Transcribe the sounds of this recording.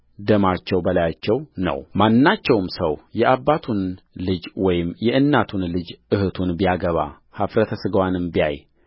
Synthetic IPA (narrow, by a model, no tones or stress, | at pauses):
d̪əmat͡ʃːɛwbəlajat͡ʃːɛwnə̰wmanːat͡ʃːɛwmsəwjɛʔaβːat̪ʰun | lɨd͡ʒwɔjɪmjɛʔɨnːat̪ʰunlɨd͡ʒɨhɨt̪ʰunbijaɡəβa̰ | hafɾət̪ʰəsɨɡəwanɨmbiaj